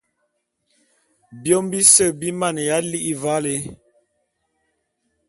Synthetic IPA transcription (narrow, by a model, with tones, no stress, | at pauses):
bjo˦mbi˦sə˦˨bi˦ma˦˨n˨ja˦li˦ʔi˦va˦le˨˦